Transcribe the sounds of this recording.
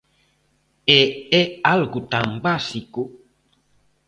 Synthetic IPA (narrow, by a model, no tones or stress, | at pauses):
ɛɛalɡutam̩basiko